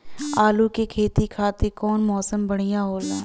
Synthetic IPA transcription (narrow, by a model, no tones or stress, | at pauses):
aːlukekʰeːt̪ikʰaːt̪ekɔːnmɔːsəmbɐɽ̤ijãɦoːlaː